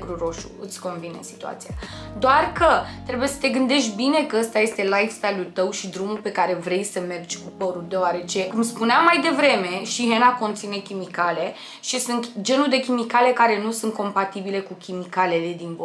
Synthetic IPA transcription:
ɡɾuɾo̞ʃṵɨ̰t̪sʲko̞nvinḛsi̥t̪ua̰t̪sia̰ | d̪oarkət̪ɾe̞buje̞sə̥t̪e̞ɡɨnd̪e̞ʃt̪ʲbine̞kəəst̪aje̞st̪e̞lajfst̪alʲult̪əwʃid̪ɾumulpe̞kaɾe̞vɾe̞jsəme̞rd͡ʒʲkupəɾuld̪eoaɾe̞t͡ʃe̞kumspuneamːajd̪e̞vɾe̞me̞ʃiɦenako̞nt̪sine̞kʲimikale̞ | ʃisɨnt̪d͡ʒe̞nuld̪e̞kʲimikale̞kaɾe̞nusunt̪̚ko̞mpat̪ibile̞kukʲimikalele̞d̪inb

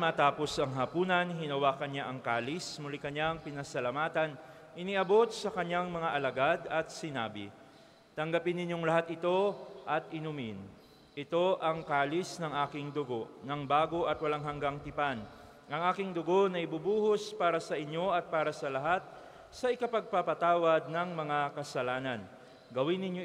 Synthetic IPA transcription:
mɐt̪aːpo̞sɐŋɦɐpuːnɐnɦɪnɐwaːkɐnːaʔɐŋkaːlɪsmʊlikɐɲaŋpɪnɐsɐlɐmaːt̪ɐn | ʔɪniʔɐbo̞t̪̚sɐkɐɲːaŋmɐŋaʔɐlɐɡad̪ɐt̪̚sɪna̰ːbɪ̰ | t̪ɐŋɡɐpɪnːɪɲːoŋlɐɦat̪ɪt̪o̞ʔɐt̪̚ʔɪnumɪn | ʔɪt̪o̞ʔɐŋkaːlɪsnɐŋʔaːkɪŋd̪ʊɡo̞ʔnɐŋbaːɡo̞ʔɐt̪̚wɐlaŋɦɐŋɡaŋt̪ɪpan | ʔɐŋʔaːkɪŋd̪ʊɡo̞nɐʔɪbʊbuːhospaːɾɐsɐʔɪɲo̞ʔɐt̪̚paːɾɐsɐlɐɦat̪̚ | sɐʔɪkɐpɐɡ̚papɐt̪aːwɐd̪̚nɐŋmɐŋakɐsɐlaːnɐn | ɡɐwɪnːɪɲo

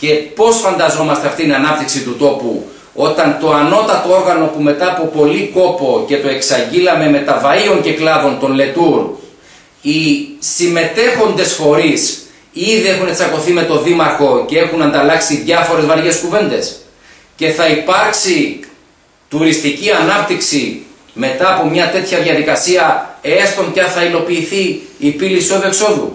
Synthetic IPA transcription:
ce̞po̞sfɐnd̪ɐzo̞mɐst̪e̞ɐft̪it̪inɐnɐp̚t̪iksit̪ut̪o̞pṵ | o̞t̪ɐnt̪o̞ɐno̞t̪ɐt̪o̞o̞ɾɣɐno̞pume̞t̪ɐːpo̞po̞liko̞po̞ce̞t̪o̞e̞ksɐɲɟilɐme̞me̞t̪ɐvɐio̞ɲce̞klɐvo̞nt̪o̞nle̞t̪uɾ | isime̞t̪e̞xo̞nd̪e̞sfo̞ɾis | iðiexunet͡sɐko̞θime̞t̪o̞ðimɐɾxo̞ce̞e̞xunɐnd̪ɐlɐksiðʝɐfo̞ɾe̞zvɐɾʝe̞skuve̞nd̪e̞s | ce̞θɐipɐɾksi | t̪uɾist̪iciɐnɐp̚t̪iksi | me̞t̪ɐːpo̞mɲɐt̪e̞t̪çɐðʝɐðikɐsiɐe̞st̪o̞ncɐnθɐilo̞piːθiːpiliiso̞ðue̞kso̞ðṵ

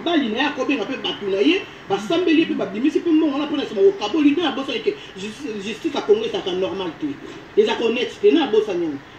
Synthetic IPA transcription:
balinajeakobeŋɡapebatonaje | basambeliepebabimisipɛmɔŋɡalaponaesimabokabolinajabosalike | ʒʒystisakoŋɡzakanɔʁmaltɛ | ezakonɛttenaabosaɲɛn

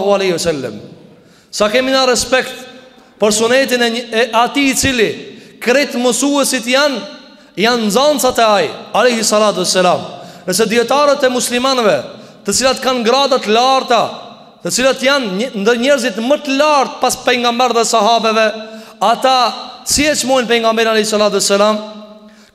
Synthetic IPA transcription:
ɦualɛjhiwɛsɛlːə̰m | sakɛminarɛspɛkt̪ | pəɾsunɛt̪inɛɛat̪iːt͡silikɾɛt̪məsuɛsit̪jan | jannzɔnt͡sat̪ɛajalɛjhisːalat̪uɛsːalamnəs̬ɛd̪iɛt̪aɾət̪ɛmuslimanvɛ | t̪ət͡silat̪kanɡɾad̪at̪əlaɾt̪a | t̪ət͡silat̪jannd̪əɲɛɾzit̪mət̪əlaɾt̪̚paspɛjŋɡamɛɾðɛsaɦabɛvɛat̪asiɛt͡ʃmɔjnpɛjŋɡamɛɾalɛhisːalat̪uɛsːalam

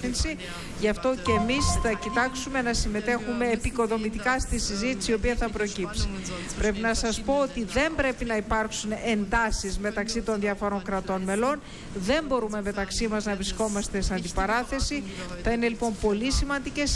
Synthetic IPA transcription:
insi | ʝɐft̪o̞ceːmisθɐcit̪ɐksume̞nɐsime̞t̪e̞xume̞ːpiko̞ðo̞mit̪ikɐst̪isizit̪i̥sio̞piɐθɐpɾo̞cipsi̥ | pɾe̞pinɐsɐspo̞ot̪iðe̞mbɾe̞pinɐipɐɾksune̞nd̪ɐsizme̞t̪ɐksit̪o̞nðjiɐfo̞ɾo̞ŋkɾɐt̪o̞nme̞lo̞n | ðe̞mbo̞ɾume̞me̞t̪ɐksimɐznɐvɾisko̞mɐst̪e̞seɐnd̪ipɐɾɐθe̞siθɐine̞lipo̞mpo̞lisimɐnd̪ice̞s

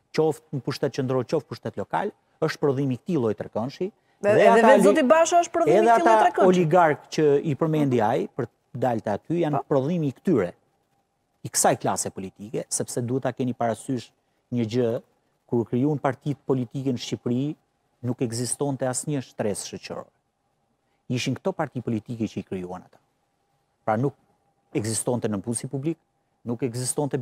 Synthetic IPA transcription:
t͡ʃɔft̪nəpuʃt̪ɛt̪̚t͡ʃənd̪ɾɔt͡ʃɔfpuʃt̪ɛt̪lɔka̰l | əʃt̪̚pɾɔðimik̚ə̥t̪ilˠɔjt̪ɾɛkɔnʃi | ðɛaɛlɔt̪ibaʃaəʃt̪pɾɔðɛðɛatilˠɔjaɾɛkɔɔliɡaɾkt͡ɕəipəɾmɛnd̪iajpəɾ | d̪alt̪ɛat̪yjanpɾɔðimiːkt̪yɾɛ | ikə̥sajklasɛpɔlit̪ikɛsɛpsɛd̪uət̪akɛnipaɾasyʃ | ɲəd͡ʑə | kuɾkɾijunpaɾt̪it̪pɔlit̪ikɛnəʃcipɾi | nukɛɡzist̪ɔnt̪ɛasɲəʃt̪ɾɛsʃɔt͡ɕɔ̰ɾɛ | iʃinkt̪ɔpaɾt̪ipɔlit̪ikɛt͡ɕəikɾijuana̰t̪ḁ | pɾanuk̚ | ɛɡzist̪ɔnt̪ɛnəmpunsipublik | nukɛɡzist̪ɔnt̪ɛ

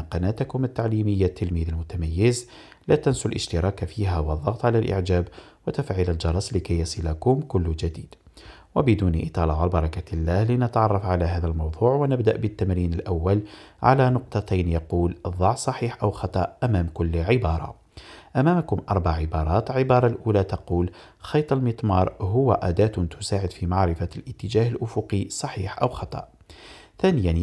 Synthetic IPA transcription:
qɑnæːt̪akʊmət̪ːaʕliːməjːat̪ːɪlmiːðilmʊt̪amajːɪz | læt̪ansʊllʔə̰ʃt̪ɪɾˤɑːkfiːɦæwəðˤːɑɣt̪ˤʕalalʔɪ̰ʕd͡ʒæːbwɪt̪afʕiːləld͡ʒɑɾˤɑsˤlɪkajːɑsˤilakʊmkʊlːd͡ʒæd̪iːd̪̥ | wabɪd̪uːniʔɪt̪ˤɑlɑʕalbɑɾˤɑkalːæːhlinət̪ʕɑrˤːɑfʕalaɦæːðælmɑwd̪ˤuːʕwanɪbd̪aʔbət̪ːamɾiːnəlʔawːalʕa̰lænʊq̚t̪ˤɑt̪ajnjɑquːlðˤɑʕsˤɑħiːħʔawxɑt̪ˤɑʔʔæmæːmkʊlːʕɪbɑːɾˤɑ̰ | ʔæmæːmkʊmʔɑɾˤbaʕʕɪbɑːɾˤɑːt̪lʕɪbɑːɾˤɑlʔuːlat̪ɑquːl | xɑjt̪ˤɑlmət̪ˤmɑːɾˤɦʊwaʔæd̪æːt̪t̪ʰʊsaːʕɪd̪fimɑʕɾɪfalʔət̪ːəd͡ʒæːhəlʔʊfʊqisˤɑħiːħʔawxɑt̪ˤɑ̰ʔ | θæːnɪjan

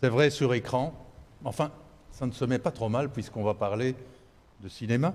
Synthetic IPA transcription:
sɛvʁɛsyʁekχɑ̃ɑ̃fɛ̃ | sanəsəmɛpat̪χomalpɥiskɔ̃vapaʁle | d̪əsinema

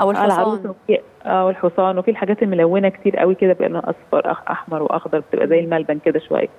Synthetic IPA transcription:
ʔwʔæːlʕɑɾˤiːsˤɑwefiː | ʔæːwelħosˤɑːnwefilħaɡæːt̪elmolæwːenæket̪iːɾʔæ̰wiked̪æbeʔælænʔɑ̰sˤfɑ̰ɾˤʔɑʔɑ̰ħmɑɾˤwḛʔɑ̰xd̪ɑɾˤbe̥t̪ḛbʔæ̰zæjːelmælbænked̪æʃowæ̰jːæ

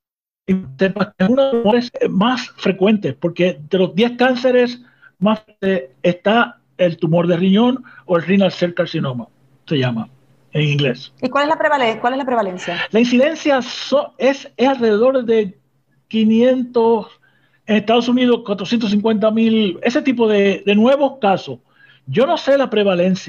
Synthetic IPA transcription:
it̪epaeunaeoɾesmasfɾe̞kwe̞nt̪espo̞ɾke̞ðe̞lo̞zd̪je̞skanse̞ɾe̞s | mas | eest̪a | elt̪umo̞ɾðeriɲõ̞no̞elrinalseɾkaɾsinoma | se̞ʝama̰ | eŋiŋɡle̞sikwaleslapɾeβalekwaleslapɾeβalensjalainsiðẽ̞nsjasoesesalreðe̞ðo̞ɾðe̞ | kinjẽ̞nt̪os | eŋest̪aðo̞suniðoskwat̪ɾo̞sjent̪os̬iŋkwe̞nt̪̬amile̞se̞t̪ip̬o̞ðed̪e̞nwe̞βo̞skasos | ɟ͡ʝo̞no̞se̞lapɾe̞βale̞nsja

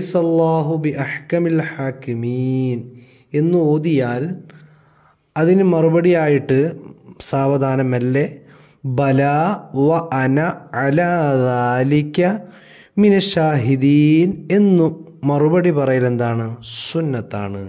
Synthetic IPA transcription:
sɐlːaːɦubiʔɐħkɐmilħaːkimiːn | e̞nːuo̞ːd̪ijaːl | ɐðinɨmɐrubɐɽijaːjiʈːɨsaːʋɐd̪ʱaːnɐmɐlːe̞ | bɐlaːʋɐʔɐnɐʕalaːðaːlikʲːɐ | minɐʃaːɦid̪iːne̞nːumɐrubɐɽipɐrɐjile̞nd̪aːɳɨsunːɐt̪ːa̰ːɳɨ

